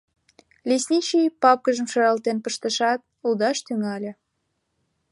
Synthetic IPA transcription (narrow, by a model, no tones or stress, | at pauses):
lesʲnʲit͡ɕijpɑp̚kəʒəmʃəɾɑlt̪enpəʃt̪əʃɑt̪̚ | ud̪ɑʃt̪yŋɑlʲĕ